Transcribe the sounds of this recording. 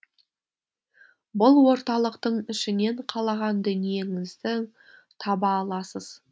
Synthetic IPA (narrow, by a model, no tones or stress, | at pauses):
bʊlˠwo̞ɾt̪ɑlˠəqt̪əɴʏʃɪne̞ɴqʰɑlˠɑʁɑnd̪ɵnije̞ŋɪzd̪ɪ | t̪ʰɑbɑːlˠɑsəz̥